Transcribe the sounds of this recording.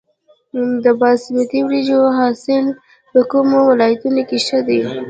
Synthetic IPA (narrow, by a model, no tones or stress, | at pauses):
d̪əbɑsɪmat̪iwɾid͡ʒoɦɑsɪl | pəkumowɪlɑjat̪unokeʃəd̪e